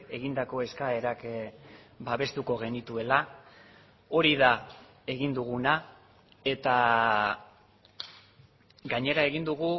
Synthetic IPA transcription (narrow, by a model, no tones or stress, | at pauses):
e̞ɣind̪ako̞e̞skae̞ɾak | baβe̞st̪uko̞ɣ̞e̞nit̪ue̞la | o̞ɾiða | e̞ɣind̪uɣ̞una | e̞t̪a | ɡaɲe̞ɾae̞ɣ̞ind̪uɣu